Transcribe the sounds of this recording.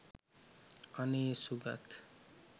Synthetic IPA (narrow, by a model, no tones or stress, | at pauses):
ʌnesuɡa̰t̪ʰ